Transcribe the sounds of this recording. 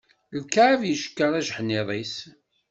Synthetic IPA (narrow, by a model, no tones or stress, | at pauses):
lkːavjiʃə̥kːəɾˤæʒħnːɪðˤis